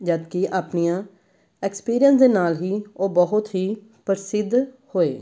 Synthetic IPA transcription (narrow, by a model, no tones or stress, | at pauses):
d͡ʒəd̪kɪʔaːpnijãː | ɛːkspiːɾijənsd̪eːnaːlɦiːoːbəɦʊt̪ɦiː | pəɾsɪd̪ʱ | hoːḛː